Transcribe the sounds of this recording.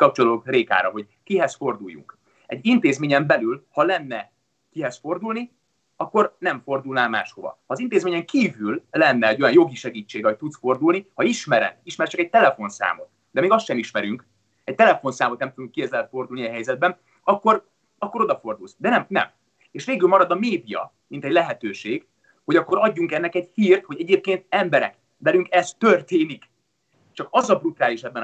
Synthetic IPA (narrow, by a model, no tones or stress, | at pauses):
kɒp̚t͡ʃoloːkreːka̰ːɾɒɦo̞ɟ | kiɦɛsfo̞rd̪ujːṵŋk | ɛ̰ɟːint̪eːzmeːɲɛmbɛlylhɒlɛnːɛ | kiɦɛsfo̞rd̪uːlni | ɒkːo̞rnɛɱfo̞rd̪ulnaːlma̰ːʃho̞vɒ̰hɒːzint̪eːzmeːɲɛŋkiːvylːɛnːɛːɟːo̞jɒnjo̞ɡiʃɛɡiːt͡ʃːeːɡɒoc̚ʲt̪ut̪sfo̞rd̪uːlnihɒiʃmɛɾɛ̰niʃmɛɾɛt͡ʃɛkɛc̚t̪ɛlɛfo̞nsa̰ːmo̞̰t̪ | d̪ɛmeːɡɒstʃɛniʃmɛɾyŋk | ɛc̚t̪ɛlɛfo̞nsaːmot̪nɛmt̪ud̪uŋkːieːzɛlɛt̪fo̞rd̪ulniɒɦɛjzɛd̪̚bɛn | ɒkːo̞r | ɒkːo̞ɾo̞d̪ɒfo̞rd̪ulsd̪ɛnɛmnɛ̰m | eːʃʋeːɡylmɒɾɒd̪ɒmeːd̪ijɒ̰ | mint̪ɛɟʲlɛɦɛt̪øːʃeːɡ | ho̞ɟɒkːo̞ɾɒɟːuŋkɛnːɛkɛɟhiːrt̪ho̞ɟɛɟeːp̚keːnt̪̚ɛmbɛɾɛ̰k | vɛlyŋkɛst̪ːørt̪eːnik | t͡ʃɒkɒzɒbrut̪aːliʃɛbːɛn